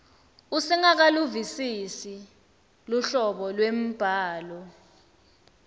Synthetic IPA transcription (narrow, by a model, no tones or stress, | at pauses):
usɛŋak̬aluvisisi | luɬɔɓɔlwem̩b̥ʱaːlɔ